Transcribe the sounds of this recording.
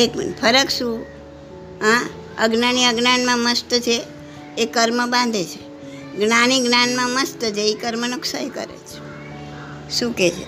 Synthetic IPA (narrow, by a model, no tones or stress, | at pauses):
eknpʰəɾəkʃũ | ɦã | əɡnaniəɡnanmãməst̪ət͡ʃʰeː | kəɾməbãnd̪ʱet͡ʃʰe̥ | ɡnaniɡnanmãməst̪ət͡ʃʰeikəɾmənʊksaɦikə̰ɾḛt͡ʃʰe̥ | ʃũket͡ʃʰḛ